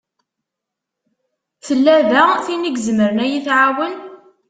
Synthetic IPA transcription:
θəlːæðæθiniɡzməɾənæjiθʕawən

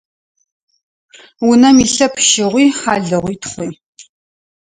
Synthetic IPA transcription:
wʊnɐmiɬɐpʰʃɪʁʷiːħaːɮɨʁʷiːtχʷiː

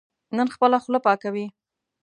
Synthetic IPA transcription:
nənxpəlaxləpɑkawi

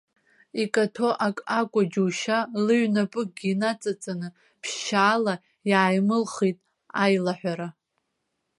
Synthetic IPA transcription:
ikʼatʰo̞ʔakʼakʷʼad͡ʒuʃalɨɥnapʼɨk̚ɡʲiːnat͡sʼat͡sʼanɨ | pʰʃaːla | jʕajmɨlχitʼ | ajlaħᶣʷaɾa

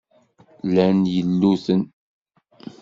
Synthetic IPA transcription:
lænjəlːuθən

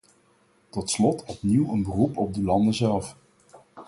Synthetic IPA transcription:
tɔtslɔtʰɔpniwənbərupɔb̚dəlɑndəzɛlˠf

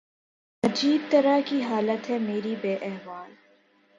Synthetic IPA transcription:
nɐd͡ʒiːb̚t̪ɐɾakiɦaːlət̪ɦɛmeːɾibeːʔɛɦʋaːl

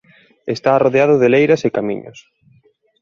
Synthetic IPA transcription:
est̪aroðeaðʊðelejɾasekamḭɲʊ̰s

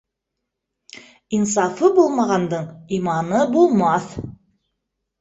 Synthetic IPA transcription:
ins̬ɑfɤbulˠmɑʁɑnd̪ɤɴimɑnɤbulˠmɑθ

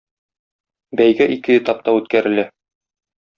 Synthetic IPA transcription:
bæjɡæʔikɘjɘ̆t̪ɑp̚t̪ɑʉt̪kæɾɘ̆læ

